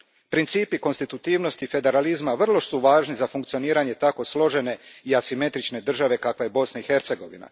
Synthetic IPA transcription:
pɾint̪siːpiko̞nst̪it̪ut̪iːʋno̞st̪ife̞d̪e̞ɾalizmaʋr̩lˠo̞ʃsuʋaːʒnizafuŋkt̪sio̞niːɾaɲe̞t̪ako̞slˠo̞ʒe̞ne̞iasime̞t̪ɾit͡ʃne̞d̪r̩ʒaʋe̞kakʋaje̞bo̞snaixe̞ɾt̪se̞ɡo̞ʋḭna̰

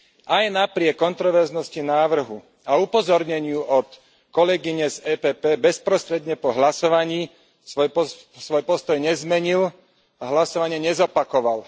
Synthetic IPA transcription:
ʔajnapɾɪɛkːɔnt̪ɾɔʋɛɾznɔscinaːʋr̩ɦu | aupɔzɔɾɲɛɲɪuɔt̪ | kɔlɛɡiɲɛzɛːpɛːpɛːbɛspɾɔst̪ɾɛd̪ɲɛpɔɦlasɔʋaɲiː | sʋɔjpɔ | sʋɔjpɔst̪ɔjɲɛzmɛɲil | aɦlasɔʋaɲɪɛɲɛzɔpakɔʋal

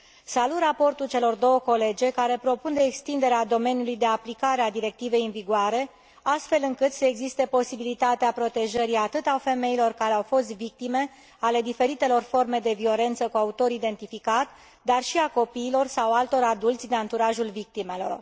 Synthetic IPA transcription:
salut̪rapo̞rt̪ult͡ʃe̞lo̞rd̪o̞wəko̞le̞d͡ʒe̞kaɾe̞pɾo̞pund̪e̞ːkst̪ind̪e̞ɾead̪o̞me̞njulujd̪e̞aplikaɾe̞ad̪iɾe̞k̚t̪ive̞jɨnviɡoaɾe̞ | ast̪fe̞lɨŋkɨt̪seeɡzist̪e̞po̞sibilit̪at̪eapɾo̞t̪e̞ʒəɾiat̪ɨt̪afe̞me̞ilo̞rkaɾe̞awfo̞st̪vik̚t̪ime̞ | ale̞d̪ife̞ɾit̪e̞lo̞rfo̞rme̞d̪e̞vio̞le̞nt̪səkuaut̪o̞ɾid̪e̞nt̪ifikat̪ | d̪arʃiako̞piːlo̞rsawalt̪o̞ɾad̪ult̪sʲd̪eant̪uɾaʒulvik̚t̪ime̞lo̞̰r

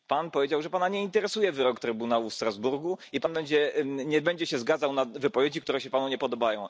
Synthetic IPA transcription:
panpɔvʲed͡ʑawʐɛpanaɲɛint̪ɛɾɛsujɛvɘɾɔkt̪ɾɘbunawufst̪ɾazbuɾɡuipanbɛɲd͡ʑɛɲɛbɛɲd͡ʑɛɕɛzɡad̪zawnavɘpɔvʲjed͡ʑikt̪uɾɛɕɛpanuɲɛpɔd̪ɔbajɔ̃w̃

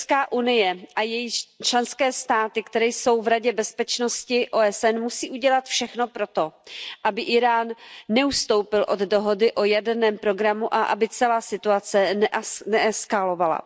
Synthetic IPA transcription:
skaːʔunɪjɛʔajɛjɪt͡ʃlɛnskɛːst̪aːt̪ɪkt̪ɛɾɛjso̞wvɾaɟɛbɛspɛt͡ʃno̞scɪʔoːɛsɛnmusiːʔuɟɛlat̪fʃɛxno̞pɾo̞t̪o̞ʔabɪʔɪɾaːnːɛust̪o̞wpɪlʔo̞ddo̞ɦo̞dɪʔo̞jadɛnɛːmpɾo̞ɡɾamuʔaʔa̰bɪt͡sɛlaːsɪt̪uat͡sɛnɛʔɛskalo̞vala̰

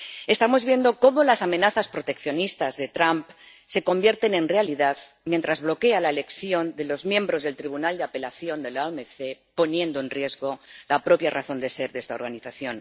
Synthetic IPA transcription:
e̞st̪amo̞zβje̞nd̪o̞ko̞mo̞lasamẽ̞naθaspɾo̞t̪e̞kθjo̞nist̪azðe̞t̪ɾamp | se̞ko̞mbje̞ɾt̪enẽ̞nrealiðað | mjẽnt̪ɾazβlo̞ke̞alaele̞kθjo̞nd̪e̞lo̞zmjẽ̞mbɾo̞zðe̞lt̪ɾiβunald̪eape̞laθjo̞nd̪e̞laomeθepo̞njẽ̞nd̪oe̞nrje̞zɣo̞lapɾo̞pjaraθo̞nd̪e̞se̞ɾðe̞st̪ao̞̰ɾɣaniθaθjo̞n

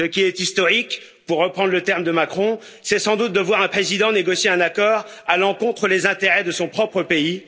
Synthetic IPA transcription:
səkʲiɛt̪ist̪ɔʁik | puʁːəpχɑ̃d̪ʁlət̪ɛʁmd̪əmakχɔ̃ | sɛsɑ̃d̪ut̪̚d̪əvwaʁɛ̃pχezid̪ɑ̃neɡɔsjeɛ̃nakɔːʁalɑ̃kɔ̃t̪χəlezɛ̃t̪eʁɛd̪əsɔ̃pχɔpχəpei

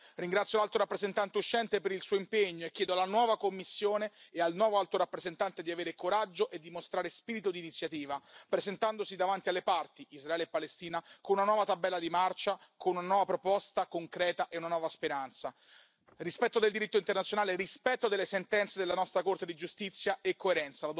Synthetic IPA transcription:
riŋɡɾat̪sːjolalt̪oɾapːɾezent̪ant̪euʃːɛnt̪epeɾilsuːoimpeɲːoekʲːjɛːd̪oalːanwɔːvakomːisːjoːneealnwɔːvoalt̪oɾapːɾezent̪ant̪ed̪iaveːɾekoɾad͡ʒːoʔed̪ːimost̪ɾaːɾespiːɾit̪od̪iːnit̪sːjat̪iːvapɾezent̪and̪osid̪avant̪ialːepart̪iʔizraɛːlepːalest̪iːnakonunanwɔːvat̪abːɛlːad̪imart͡ʃakonunanwɔːvapɾopɔst̪akoŋkɾɛːt̪aʔeunanwɔːvaspeɾant̪sa | rispɛt̪ːod̪eld̪iɾit̪ːoint̪ernat̪sjonaːlerispɛt̪ːod̪elːesent̪ɛnt̪sed̪elːanɔst̪ɾakort̪ed̪id͡ʒust̪it̪sːjaekːoeɾɛnt̪salad̪

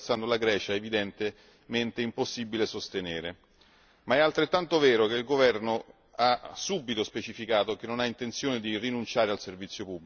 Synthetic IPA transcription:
sand̪olaɡɾɛːt͡ʃaevid̪ɛnt̪e | ment̪eimposːibilesost̪eneːɾe | maɛalt̪ɾet̪ːant̪ovɛːɾok̟eilɡovɛrno | asːubːit̪ospet͡ʃifikaːt̪ok̟enːonaint̪ent̪sjoːned̪irinunt͡ʃaːɾealservit̪sːjopubːl

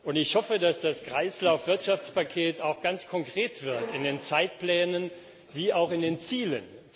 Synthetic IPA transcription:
ʔʊntɪçhɔfədasd̥askʁ̥aɪslaʊfv̥ɪɐtʃaft͡spakʰeːtaʊxɡ̥ant͡skʰɔŋkʁ̥eːtv̥ɪɐtɪndeːnt͡saɪt̚plɛːnən | viːaʊxɪndeːnt͡siːlə̰n

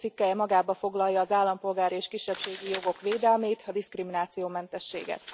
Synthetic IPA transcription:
t̪sikːɛjɛmɒɡaːbɒfo̞ɡlɒjːɒːzaːlːɒmpo̞lɡaːɾieːʃkiʃːɛpʃeːɡijo̞ɡo̞kʋeːd̪ɛlmeːjt̪ɒd̪iskriminaːt̪sijoːmɛnt̪ɛʃːḛːɡɛ̰t̪

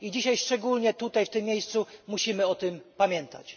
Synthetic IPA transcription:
id͡ʑiɕajʂt͡ʂɛɡulɲɛt̪ut̪ajft̪ɘmːʲjejst̪sumuɕimɘɔt̪ɘmpamʲjɛnt̪a̰t͡ɕ

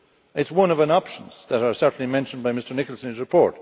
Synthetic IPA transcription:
ɪtswʌ̃nʌvə̃nɑpʃə̃n̩z̥ðəɾə˞sɜ˞ʔn̩limɛ̃nʃə̃nbaɪmɪstə˞nɪkl̩ˠsə̃nɨzɹɨpʰɔɹt̚

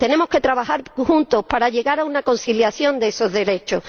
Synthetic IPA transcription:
t̪e̞ne̞mo̞ke̞t̪ɾaβahaɾhunt̪o̞hpaɾaʎe̞ɣaɾaunako̞n̟siljaθjo̞nd̪eso̞ɦðe̞ɾe̞t͡ʃo̞h

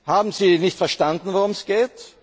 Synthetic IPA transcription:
haːbm̩ziːnɪçtfɛɐʃtandn̩voʁʊmɛsɡ̥eːt

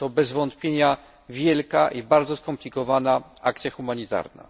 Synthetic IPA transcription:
t̪ɔbɛzvɔnt̪pʲjeɲa | vʲjɛlkaʔibaɾd̪zɔskɔmplʲikɔvanaak̚t̪sʲjaxumaɲit̪a̰ɾna̰

